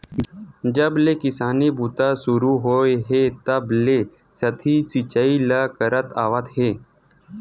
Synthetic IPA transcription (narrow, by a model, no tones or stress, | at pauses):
d͡ʑəblekɪsaniːbʱut̪asuɾuɦojɦet̪əble | sət̪ʰisit͡ɕailakəɾət̪a̰ʋat̪ɦe